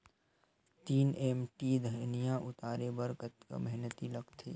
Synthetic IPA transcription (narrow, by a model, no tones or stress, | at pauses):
t̪iːneːmʈid̪ʱɐnijãʔʊt̪aːɾebəɾkət̪kmɛɦnət̪ilɐɡt̪ʰḛː